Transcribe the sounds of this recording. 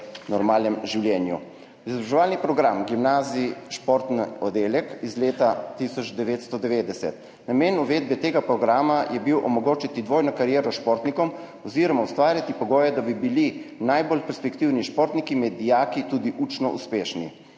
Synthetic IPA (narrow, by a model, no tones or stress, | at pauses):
nɔɾmaːlnɛmʒiwljɛːnjṵ | izɔbɾaʒɛʋaːlnipɾɔɡɾamɡimnaːziʃpoɾt̪nɔd̪eːljɛkizleːt̪at̪isɔd͡ʒd̪ɛʋeːt̪st̪ɔd̪ɛʋeːd̪ɛsɛ̰t̪ | nameːnuʋeːd̪̚bɛt̪eːɡapɾɔɡɾaːmajɛbiwʔɔmɔɡoːt͡ʃit̪id̪ʋoːjnɔkaɾjɛːɾɔʃpɔːɾt̪nikɔm | ɔziːɾɔmawst̪ʋaːɾjat̪ipɔɡɔːjɛd̪abibilinajbolpɛɾspɛkt̪iwniʃpoɾt̪nikimɛd̪ijaːkit̪ud̪iʔut͡ʃnɔʔṵspeːʃnḭ